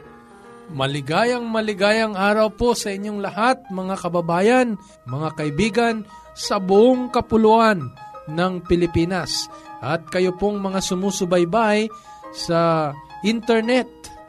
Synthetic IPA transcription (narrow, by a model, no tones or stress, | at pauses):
mɐlɪɡaːjɐŋmɐlɪɡaːjɐŋʔaːɾɐwpo̞sɐʔɪɲːoŋlɐhat̪̚mɐŋakɐbɐbaːjɐn | mɐŋakɐʔɪbiːɡɐn | sɐbʊʔoŋkɐpʊluʔanːɐŋpɪlɪpiːnɐsʔɐt̪̚kɐjopoŋmɐŋasʊmusʊbɐjbaj | sɐʔɪnt̪ɛɹnɛt̪̚